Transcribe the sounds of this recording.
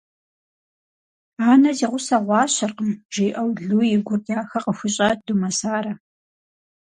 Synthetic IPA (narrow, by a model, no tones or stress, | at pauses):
aːnɐziːʁʷʊsɐʁʷɑːɕɐrqəmʒ̥iːʔɐwɮuːjɪɡʷʊrdaːxɐqəxʷʊɕʼɐd̥umɐsaːɾɐ